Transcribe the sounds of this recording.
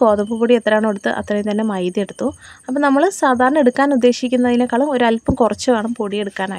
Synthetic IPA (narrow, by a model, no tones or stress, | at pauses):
ko̞ːðɐmbupuːɽiet̪ːrɾaːɳɐmeɽut̪ːɨʔɐ̰t̪ːrɐt̪ɐnːe̞mɐjd̪ije̞ɽut̪ːuɐpːoːnɐmːɐɭsaːd̪ʱaːɾɐɳɐe̞ɽukːaːnud̪ːe̞ːɕikʲːunːɐðinekːaːɭɐmoɾɐlpːɐmkurɐt͡ɕːɨʋe̞ːɳɐmpoːɽije̞ɽukːaːna̰ːi